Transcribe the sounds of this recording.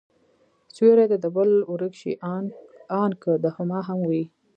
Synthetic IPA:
sweɾad̪ad̪əbəluɾəkʃḭ | ɑnkəd̪ahʊmɑɦamwi

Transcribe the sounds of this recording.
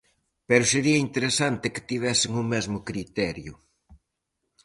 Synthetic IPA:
peɾʊseɾiɐint̪eɾesant̪ɪkɪ̥t̪iβ̞ɛsɪŋʊmɛzmʊkɾit̪ɛɾjʊ̰

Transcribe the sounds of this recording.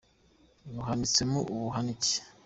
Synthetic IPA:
nuɦanit͡semuʔuβuɦanice̥

